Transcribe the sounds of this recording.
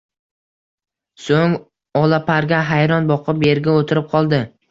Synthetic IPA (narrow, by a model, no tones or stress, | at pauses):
soŋ | ɒlapʰaɾɡʲaɦajɾɒnbɒqʰɨpeɾɡʲaot̪ʰɪɾɪp̚qʰɒlˠd̪ɪ